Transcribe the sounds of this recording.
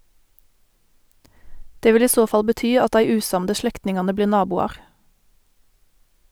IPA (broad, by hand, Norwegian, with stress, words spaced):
ˈdeː ˈʋɪl ˈiː ˈsoː ˈfɑl bəˈtyː ˈɑt ˈdæɪ ˈʉːˌsɑmdə ˈʃlɛktnɪŋɑnə ˈbliːʁ ˈnɑːbuːɑʁ